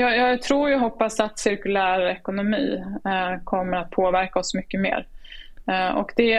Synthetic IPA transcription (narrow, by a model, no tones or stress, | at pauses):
jɑːjɑːɡt̪ʰɾuːɾjəɦɔpːasat̪sɪɾkɵlæːɾɛkʊnʊmiː | kʰɔmːəɾat̪̚pʰoːvæɾkaɔsmʏkːəmḛːɾ | ɔ̰kd̪ɛ